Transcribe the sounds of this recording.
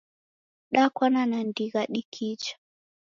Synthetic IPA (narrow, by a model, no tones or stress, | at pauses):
ɗakwananandiɣaɗikʰit͡ʃḁ